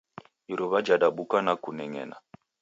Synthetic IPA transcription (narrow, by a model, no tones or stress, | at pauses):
iɾuβad͡ʒaɗaɓukanakunɛŋɛ̰na̰